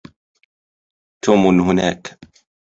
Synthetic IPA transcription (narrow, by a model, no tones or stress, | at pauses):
t̪ʰuːmʊnɦʊnaːk